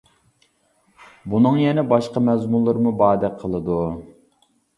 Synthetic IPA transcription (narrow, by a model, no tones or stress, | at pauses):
bunɨŋjɛnɛbɑʃqɑmɛzmulˠːɨɾmubɑːd̪ɛqʰəlˠɨd̪u